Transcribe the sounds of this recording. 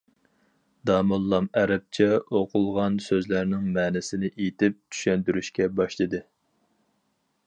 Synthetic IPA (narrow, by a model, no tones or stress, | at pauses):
d̪ɑːmolˠːɑmɛɾɛp̚t͡ʃʰɛoqʰʊlˠʁɑnsøzlæɾnɪŋmɛːnɪsɪnɪʔet̪ʰɪp̚t͡ʃ̪ʰy̥ʃɛnt̪yɾyʃkʲɛbɑʃlˠɨd̪ɨ